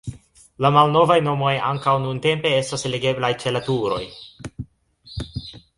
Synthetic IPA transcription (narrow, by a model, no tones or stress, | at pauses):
lamalno̞vajno̞mo̞ja̰ŋkawnunte̞mpe̞e̞stasleɡe̞blajt͡ʃe̞latuɾo̞̰j